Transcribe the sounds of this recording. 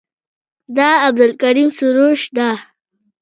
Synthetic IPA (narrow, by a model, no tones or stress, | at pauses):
d̪ɑːb̚d̪alkaɾimsuɾoʃd̪a